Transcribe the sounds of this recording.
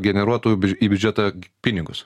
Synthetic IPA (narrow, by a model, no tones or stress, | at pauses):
ɡʲɛnʲɛɾuɔt̪oːjubʲiːbʲʊd͡ʒʲɛt̪ɑpʲɪnʲɪɡʊs